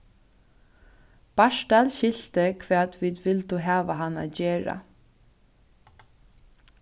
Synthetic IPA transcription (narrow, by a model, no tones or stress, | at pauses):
b̥ɑʃdɑlʃɪlt̪əkʰʋæːt̪ʰʋiːd̪ʋɪld̪uːɦɑːʋaɦɑna̰ːd͡ʒeːɹa̰